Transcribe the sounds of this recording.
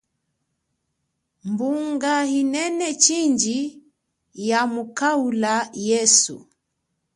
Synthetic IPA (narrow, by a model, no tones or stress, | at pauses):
mbuŋɡahinɛnɛt͡ʃiɲd͡ʒi | jamukaulajɛsṵ